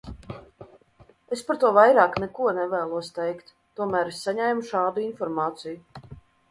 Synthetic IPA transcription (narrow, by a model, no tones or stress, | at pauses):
espaɾt̪uɔvajɾɑːknɛkuɔnɛvɛːlˠuɔst̪ɛjkt̪ːuɔmæːɾesːaɲɛjmuʃɑːd̪uinfɔɾmɑːt̪siju